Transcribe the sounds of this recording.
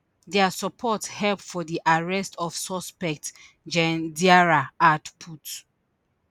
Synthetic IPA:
dɛasɔpʰɔthɛlpfɔdiʔaɹɛstʰɔfsɔspɛk̚t | d͡ʒɛ̃ndiaɹaatpʰut

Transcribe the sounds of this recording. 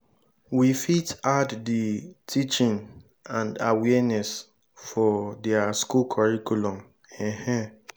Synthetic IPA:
wifitadditʰit͡ʃĩŋ | ãndawɛnɛs | fɔdɛaskulkʰɔɹikʰulɔ̃m | ɛ̃hɛ̃

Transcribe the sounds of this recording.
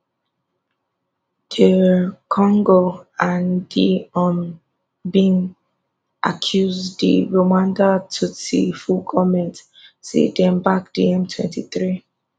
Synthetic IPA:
d̥əkʰɔ̃ŋɡoãndiɔ̃n | bĩŋ | ʔa̰kʰjuzdḭɹomãndatʰutḭfukʰɔmɛ̃nt | sḛdɛ̃mbak̚diɛ̃mtʰwɛ̰̃ntiθɹi

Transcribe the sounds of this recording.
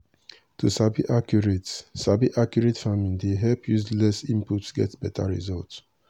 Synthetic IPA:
tʰusabiʔakjuɹetsabiʔakjuɹetfamĩŋdeɦɛlpʰjuslɛsĩmputsɡɛ̰tbɛtʰa̰ɹḭzɔlts

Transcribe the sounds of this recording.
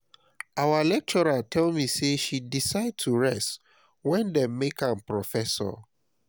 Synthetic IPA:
awalɛk̚t͡ʃɔɹatʰɛlmiseʃidisaɪd̚tʰuɹɛst | wɛ̃ndɛ̃mmekãnpɹɔfɛsɔ̰

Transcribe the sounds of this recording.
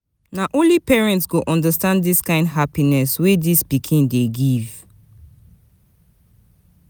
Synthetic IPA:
naʔõnlipɛɹɛ̃ntsɡoʔɔ̃ndastãnddiskãɪ̃ndɦapinɛswedispikʰĩndeɡiv

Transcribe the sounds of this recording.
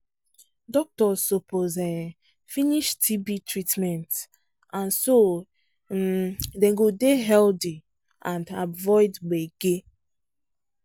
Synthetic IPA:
dɔk̚tɔzːopozɛ | finiʃtʰibitɹitmɛ̃nt | ãnso | dɛ̃ɡodeɦɛldi | ʔãndavɔɪdbɛɡ̥e

